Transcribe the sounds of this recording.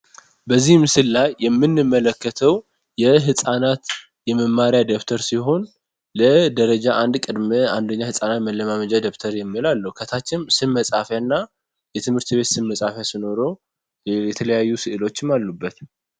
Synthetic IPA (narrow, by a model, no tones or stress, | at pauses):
bəzːihmɨsɨllajːɛmːɨnːɨmːələkːət̪ʰəw | jɛɦɨsʼanat̪ | jɛməmːaɾjad̪ekt̪ʰəɾsiɦo̞n | ləd̪əɾəd͡ʒaʔand̪kʼɨd̪mea̰nd̪əɲːahɨsʼanat̪məlːəmaməd͡ʒad̪eft̪ʰəɾjɛmːilalːəhukʰət̪ʰat͡ʃːɪnsɨmməsʼafjanːa | jɛt̪ʰɨmhɨɾt̪βe̞t̪sɨmːəsʼafjasino̞ɾo̞ | jɛt̪ʰələjajːusɨʔɨlo̞t͡ʃːɪmːalːubːət̪